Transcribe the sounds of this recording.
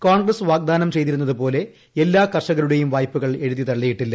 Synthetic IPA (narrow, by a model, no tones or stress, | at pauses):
kaːɳɡrɐsʋaːɡ̚d̪aːnɐmt͡ɕe̞jt̪iɾunːɐðɨpo̞ːle̞ | elːaːkɐrʂɐɣɐɭuɽe̞jumʋaːjpːuɣɐɭe̞ɻuðit̪ɐɭːijiʈːilːɐ